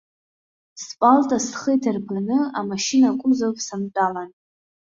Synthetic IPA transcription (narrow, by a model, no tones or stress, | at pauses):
spʼaltʼasχəjtʰarpʰanɨamaʃinakʷʼʊmzawpʰʼsamt͡pʼalan